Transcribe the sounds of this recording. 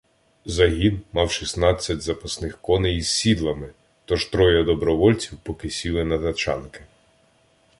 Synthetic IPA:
zɐɦʲinmɑwʃisnɑt͡sʲːɐtʲzɐpɐsnɪxkɔnejizsːʲid̪lˠɐmɪ | t̪ɔʒt̪ɾɔjɐd̪ɔbɾɔʋɔlʲt͡sʲiwpɔkɪsʲilˠɪnɐt̪ɐt͡ʃɑ̰nkɪ̥

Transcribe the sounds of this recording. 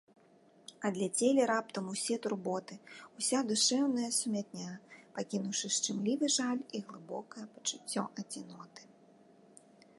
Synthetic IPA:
ɐd̪lʲat͡sʲelʲɛɾap̚t̪ɐmusʲɛt̪urbɔt̪ɨusʲad̪uʂɛwnɐjɐsumʲat̪̚nʲapakʲinuwʂɨʂt͡ʂɨmlʲivɨʐalʲiɣlˠɨbɔkɐjɐpɐ̥t͡ʂut͡sʲːɔʔɐd͡zʲinɔt̪ɨ̥

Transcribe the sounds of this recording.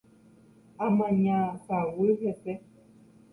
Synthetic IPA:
amaɲasaweɣɛsɛ

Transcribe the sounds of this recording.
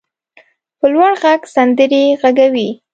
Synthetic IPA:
pəlwaɽɣaɡsand̪əɾeɣaɡawi

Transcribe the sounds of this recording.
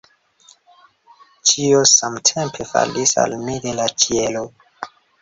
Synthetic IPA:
t͡ʃiosamtʰempʰe̞fa̰lisa̰lmide̞lat͡ʃʰielo

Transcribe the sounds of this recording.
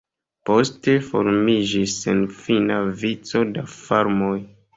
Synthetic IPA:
po̞ste̞fo̞̰ɾmid͡ʒisenfinavit͡so̞dafaɾmo̞j

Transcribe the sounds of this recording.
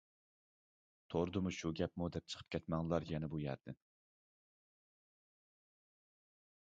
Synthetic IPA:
t̪ʰoɾd̪ɨmuʃuɡʲɛp̚mud̪ɛp̚t͡ʃʰə̥qʰə̥p̚kʲʰɛt̪mɛŋlˠɑɾjɛnɛbujæ̰ɾd̪ɪn

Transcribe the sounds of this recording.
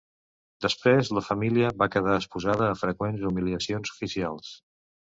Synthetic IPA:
d̪əspɾezləfəmiliəβakəð̞aəspuzaðəːfɾəkwenzumiliəsionzu̥fisialˠs

